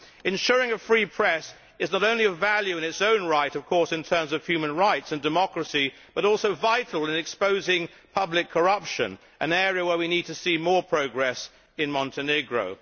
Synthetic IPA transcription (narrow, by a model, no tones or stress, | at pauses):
ɨ̃nʃʊɹɪ̃ŋɨfɹipʰɹ̥ɛs | ɨznəɾõʊ̃nliɨvælˠjʉɨ̃nɨtsõʊ̃nɹaɪɾʌv̥kʰɔɹsɨ̃ntʰɜ̃˞mzʌv̥hjʉmɨ̃nɹaɪtsɨ̃ndɨmɑkɹɨsi | b̥ʌɾɔlˠsoʊvaɪɾl̩ˠɨ̃nɨkspoʊzɪ̃ŋ | pʰʌblɨkʰːə˞ʌpʃɨ̰̃n | ʔɨ̰̃nɛɹiɨwə˞winid̚tʰɨsimɔɹpʰɹ̥oʊɡɹɛs | ɨ̃nmɑ̃ntʰɨnɪɡɹo̰ʊ